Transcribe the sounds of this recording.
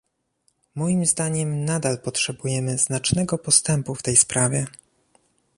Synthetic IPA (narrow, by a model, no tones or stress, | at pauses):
mɔjimzd̪aɲɛmnad̪alpɔtʂɛbujɛmɘznat͡ʂnɛɡɔpɔst̪ɛmpuft̪ɛjspɾavʲjɛ